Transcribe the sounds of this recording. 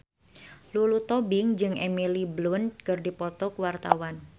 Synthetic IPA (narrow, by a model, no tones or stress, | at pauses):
lulut̪ɔbɪŋd͡ʒɨŋʔemiliblʊnkɨrdipɔt̪ɔkwart̪awan